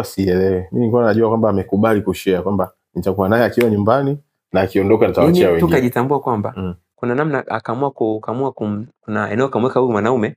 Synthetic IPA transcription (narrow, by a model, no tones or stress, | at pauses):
asiɛlɛwɛminikuanaʄuakwambaːmɛkuɓalikuʃɛakwamba | nitakuanajɛakiwaɲumbani | naːkiɔndɔkanitawat͡ʃiawɛŋtɡikaʄitambuakwamba | kunanamnaa̰kamuakukamuakumkunaɛnɛɔkamwɛkauimwanaumɛ